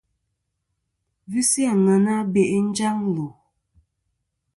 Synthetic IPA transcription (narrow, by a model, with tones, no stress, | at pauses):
vi˦si˦a˨ŋa˨na˦be˨ʔn̩˦d͡ʒa˦ŋlo˨